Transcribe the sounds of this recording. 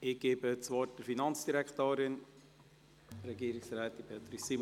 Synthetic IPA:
ɪɡ̥eːbət͡sʋɔːd̥əɾfinɑnt͡sd̥iɾɛkt̪oːɾɪn | ɾɛɡiəɾɪksɾɛːt̪ipʰeːt̪ɾisim

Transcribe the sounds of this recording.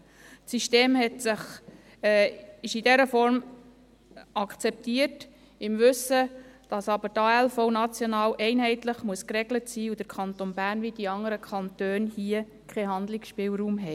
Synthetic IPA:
siʃteːmɦɛtsɪχ | ɪʃidɛɾəfɔɾm | ɑkt͡sɛp̚tiət | ɪmʋɵsəd̥ɑsɑbəɾtɑːɛlfɔʊnɑt͡sjonɑːwʔɛɪnɦɛɪtləχmuəskɾɛɡlətsiːud̥əɾkʰɑnt̪onbæːrnʋid̥iɑŋːəɾəkʰɑntøːnhiə | kʰɛɦɑnd̪lɪksʃpɪːlɾuːmɦɛj

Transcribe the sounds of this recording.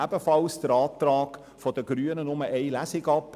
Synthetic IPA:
æb̥əfɑlsd̥əɾɑːtɾɑːɡ | fɔd̥əɡɾyənənʊməʔɛɪlæsɪɡɑpː

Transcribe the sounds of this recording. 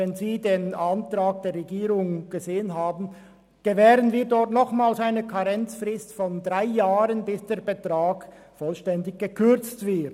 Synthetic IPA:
ɛnziːdeːnantrʁaːɡ̚d̥eːɐʁɛɡiːʁʊŋɡ̥əzeːənɦaːbn̩ | ɡ̥əvɛːʁənviːɐdɔʁtnɔχmaːlsaɪnəkʰaʁɛnt͡sfrɪstfɔndʁaɪjaːʁənbɪsd̥eːɐbətʁ̥aːɡ | fɔlʃtɛndɪçɡ̥əkʰʏɐt͡stv̥ɪɐt

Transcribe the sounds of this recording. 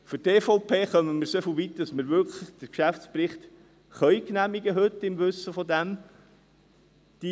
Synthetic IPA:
fʏɾteːfɔʊpʰeːχœməməɾsefl̩vit̪ɑsməɾʋʏɾkʰləχd̥əkʃæftsprɪχt̪ | χœʏjknæmiɡəɦɵt̪ɪmʋɵsːəfɔd̪æm | d̪̥i

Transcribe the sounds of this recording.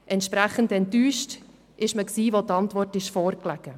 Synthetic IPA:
ʔɛntʃpɾæχəndɛntːyːʃt | ʔɪʃməksiːʋotɑntʋɔrtɪʃfɔːɾklɛɡ̥ə

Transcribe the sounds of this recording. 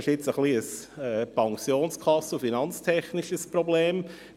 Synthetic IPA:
ɪʃɪt͡səχliəsɛːpʰɑŋsjoːnskʰɑsufinɑnt͡stʰɛχniʃəsprobleːm

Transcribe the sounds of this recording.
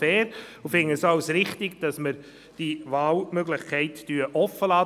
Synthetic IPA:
ɛːɾʊfɪŋəsɑʊsɾɪχtɪɡd̥ɑsməɾ | d̥ivaːlmøɡlɪχkʰɛɪtd̥yːəʔɔfːəlɑː

